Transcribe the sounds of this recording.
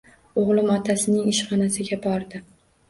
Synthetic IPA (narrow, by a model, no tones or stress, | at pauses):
oʁlˠɪmɒt̪ʰasɪnɪŋɪʃχɒnasɪɡʲabɒɾd̪ɪ